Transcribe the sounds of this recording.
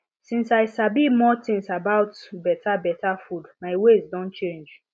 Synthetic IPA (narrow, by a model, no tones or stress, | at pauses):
sĩnsaɪsabimɔtĩŋsabaʊtbɛtʰabɛtʰafudmaɪwezdɔ̃nt͡ʃẽnd͡ʒ